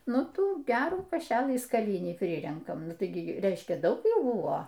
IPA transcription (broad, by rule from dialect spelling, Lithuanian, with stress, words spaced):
ˈnʊ ˈtuː ˈɡʲæːruː kɐˈʃʲæːlˠɨ skɐˈlʲɪnʲiː ˈpʲrʲɪrʲɛŋkɐm ˈnʊ ˈtɐɪ ɡʲɪ ˈrʲɛɪʃʲkʲɛ ˈdɐʊk ˈjuː ˈbʊʋoː